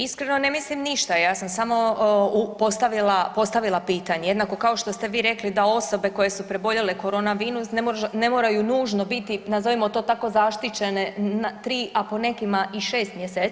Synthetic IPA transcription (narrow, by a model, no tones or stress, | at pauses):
iskɾe̞no̞ne̞mislimniʃt̪ajaːsamsamo̞upo̞st̪aʋilapo̞st̪aʋilˠapiːt̪aɲejed̪nako̞kao̞ʃt̪o̞st̪e̞ʋiːɾe̞klid̪ao̞so̞be̞ko̞je̞supɾebo̞ʎeleko̞ɾo̞ːnaʋiːnusnemone̞moːɾajunuːʒno̞bit̪inazoʋimot̪o̞ːt̪ako̞zaʃt̪it͡ʃe̞ne̞nat̪ɾiːʔapo̞ne̞kimaʔiʃe̞ːst̪mjeseː